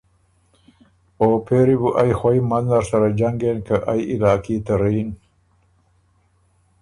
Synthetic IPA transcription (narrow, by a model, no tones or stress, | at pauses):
oːpʰeɾibuʔajxwajmanlaɾsaɾad͡ʒaŋɡenkaʔajɪlɑːkit̪aɾijn